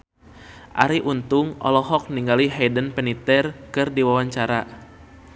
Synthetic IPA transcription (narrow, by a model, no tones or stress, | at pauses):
ʔa̰ɾiʔunt̪ʊŋɔ̰lɔɦɔk̚niŋɡaliɦɛdənpɛnit̪ɛrkɨrdiwawaɲt͡ʃaɾa